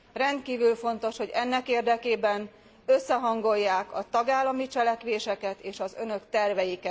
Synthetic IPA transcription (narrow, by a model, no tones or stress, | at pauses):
rɛnt̪̚kiːvylfo̞nt̪o̞ʃho̞ɟɛnːɛkeːrd̪ɛkeːbɛn | øsːɛɦɒŋɡo̞jːaːkɒt̪ɒɡaːlːɒmit͡ʃɛlɛkʋeːʃɛkɛt̪eːʃɒzø̞nø̞kt̪ɛrvɛjikɛt̪